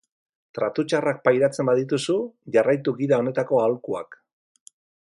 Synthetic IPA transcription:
t̪ɾat̪ut͡ʃarak̚pajɾat͡se̞mbaðit̪usuʝarajt̪uɣiðao̞ne̞t̪ako̞alkua̰k

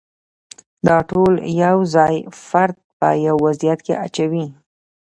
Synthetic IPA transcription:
d̪ɑʈoljawzɑjfaɾd̪̚pə̰jawːazijat̪kḛʔat͡ʃawi

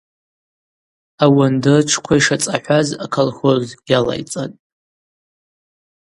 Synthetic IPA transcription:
awandɨrʈ͡ʂʰkʷʰaiʂat͡sʼaħʷᶣazakʰalχozɡala̰jt͡sʼatʼ

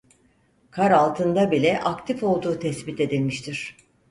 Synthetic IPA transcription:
kʰaɾalˠt̪ʰɯnd̪abilʲɛʔakt̪ʰifo̞lˠd̪uːt̪ʰɛsbit̪e̞d̪ilʲmiʃt̪ʰiɾ̥

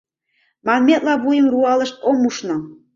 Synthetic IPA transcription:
mɑnmʲet̪lɑβujə̆mruɑlɤ̆ʃt̪omuʃnɤ̆

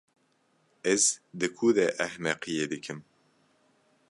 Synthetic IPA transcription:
ɛzd̪ɨkʰuːðɛʔæhmɛqijeːd̪ɨkʰɨm

